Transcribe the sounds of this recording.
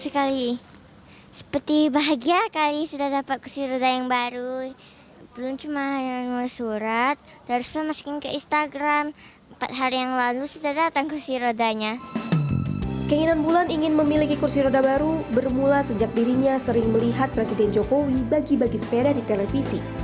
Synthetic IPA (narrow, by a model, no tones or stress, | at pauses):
səkali | sə̥pərt̪ibaɦaɡiakalisudahdapat̪̚kursiɾodajaŋbaɾu | bəlʊmt͡ʃumanuasuɾat̪̚ | daɾusamasu̥kɪnkəinst̪aɡɾaməmpa̰t̪̚ɦaɾijaŋlalusudahdat̪aŋkursiɾodaɲa | kəiŋinanbulaniŋɪnməmilikikursiɾodabaɾubərmulasəd͡ʒak̚diɾiɲasəɾɪŋməliɦat̪̚pɾesidɛnd͡ʒokowibaɡibaɡisə̥peɾadit̪elefisi